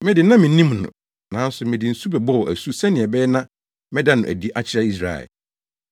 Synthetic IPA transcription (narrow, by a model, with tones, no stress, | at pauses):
mɪ̃˦dɪ˨nã˦mɪ̃˨nĩ˦mnʊ̰̃˨ | nã˨˦n̩˦sʊ˨mɪ̃˨dɪ˨n̩˨su˦bɛ˨bɔ˦wɔ˨ʔæ˨su˦sɛ˦nɪ̃˨ɛ˨bɛː˦nã˦ | mɛ̃˦da˦nʊ̃˨ʔæ̰˨di˦ʔa˦t͡ɕʰɪ˦a˦i˦s̬ɾa̰˨ɛ̰˨